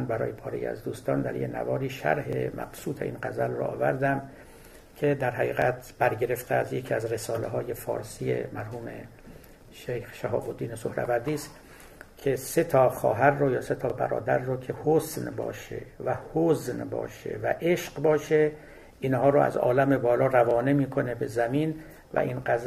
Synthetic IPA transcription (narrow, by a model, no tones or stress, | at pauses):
nbæɾɒ̰ːjepʰɒːɾejḭæ̰zd̪uːst̪ɒːnd̪æ̰ɾjenæ̰vɒːɾiːʃæ̰ɾɦḛmæ̰ɡ̥suːt̪ʰe̞ʔḭːnɢæzælro̰ʔɒ̰ːvæɾd̪æm | kʰe̞d̪æɾɦæʁiːɣæt̪ʰb̥æɾɟe̞ɾe̞ft̪ʰeæzjekʰiæzre̞sɒːleɦɒːje̞fɒ̰ːɾsiːjḛmæɾɦuːme̞̰ | ʃejxʃæɦɒ̰ːbod̪ːiːnesohɾæ̰bæɾd̪iːst̪ | kʰe̞se̞t̪ʰɒːxɒ̰ːɦæɾːojɒːse̞t̪ʰɒːbæ̰ɾɒ̰ːd̪æɾːokʰehosnbɒ̰ːʃḛvæhoznbɒ̰ːʃḛvæ̰ʔeʃqbɒːʃe̞ | iːnhɒːɾoæ̰zɒ̰ːlæme̞bɒːlɒːrævɒːnemiːkʰo̞ne̞be̞zæmiːn | væ̰ʔiːnɢæz